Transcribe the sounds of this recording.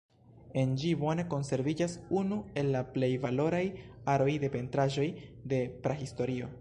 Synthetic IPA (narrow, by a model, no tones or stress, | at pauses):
e̞nd͡ʒivo̞ne̞ko̞nse̞ɾvid͡ʒasunue̞lːaple̞jvalo̞ɾajaɾo̞jde̞pe̞ntɾaʒo̞jde̞pɾahisto̞ɾio̞̰